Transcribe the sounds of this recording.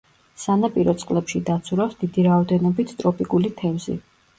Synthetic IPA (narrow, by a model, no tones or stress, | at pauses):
sanapʼiɾɔt̪sʼqʼlɛpʃid̪at̪sʰuɾasd̪id̪iɾaɔd̪ɛnɔbit̪ʰt̪ʼɾɔpʼikʼulit̪ʰɛmzḭ